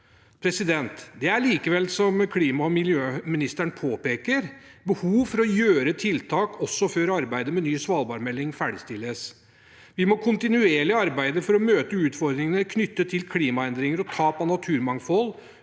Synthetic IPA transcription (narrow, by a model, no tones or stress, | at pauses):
pʰɾɛsɪd̪ɛnt̪d̪ɛæɭiːkəʋɛlsɔmkʰliːmɑmɪljøːmɪnɪst̪əɳpʰoːpeːkəɾbəhuːʋfɔɾɔjøːɾət̪ʰɪlt̪ʰɑːkɔsːɔføːɾɑɾbæɪd̪əmɛnyːsʋɑːlbɑːɾmɛlːɪŋfæːɖɪst̪ɪlːəs | ʋɪmɔkʰʊnt̪ɪnʉeːɭɪɑɾbæɪd̪əfɔɾɔmøːt̪əʉːt̪fɔɾd̪ɾɪŋənəkʰnʏt̪ːət̪ʰɪlkʰliːmɑɛnd̪ɾɪŋəɾɔt̪ʰɑːpɔnɑt̪ʰʉːɾmɑŋfɔl